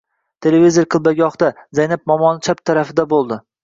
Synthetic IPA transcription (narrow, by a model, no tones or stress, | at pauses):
t̪ʰe̞levizeɾqʰɨlˠbaɡʲɒχd̪azajnap̚mɒmɒnt͡ʃʰap̚t̪ʰaɾafɪd̪abolˠd̪ɪ